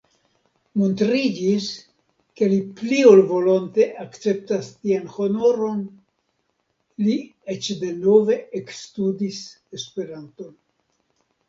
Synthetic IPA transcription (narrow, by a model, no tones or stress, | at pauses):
montɾid͡ʒis | ke̞liplio̞lvo̞lo̞nte̞ʔakt͡se̞p̚tastianho̞no̞ɾo̞n | liet͡ʃde̞no̞ve̞ekstudis | espe̞ɾanto̞n